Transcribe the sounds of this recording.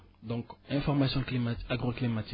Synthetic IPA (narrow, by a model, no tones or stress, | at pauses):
d̪ɔ̃kɛ̃fɔʁmasjɔ̃kimaaɡʁoklimat̪i